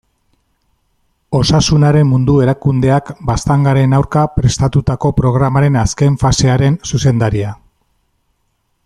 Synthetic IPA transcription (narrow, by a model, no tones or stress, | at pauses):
o̞sasunaɾe̞mmund̪ue̞ɾakund̪e̞akbast̪aŋɡaɾe̞nawɾkapɾe̞st̪at̪ut̪ako̞pɾo̞ɣ̞ɾamaɾe̞naske̞ɱfase̞aɾe̞nsuse̞nd̪aɾia